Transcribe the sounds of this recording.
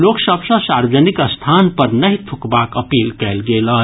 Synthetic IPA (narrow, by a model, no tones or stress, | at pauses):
loːksəbsə̃saɾwəd͡ʒənikəst̪ʰanpəɾnɐɦit̪ʰukbakəpiːlkɛlɡelə